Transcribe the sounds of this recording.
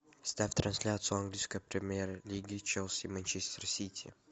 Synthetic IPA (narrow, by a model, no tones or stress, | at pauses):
st̪afʲt̪ɾɐnsʲlʲat̪sɨjʊɐnɡlʲijskəjpɾʲɪmʲeɾəlʲiɡʲɪt͡ʃɛlˠsʲimɛnʲt͡ʃesʲt̪ʲərsʲit̪ʲʰḭ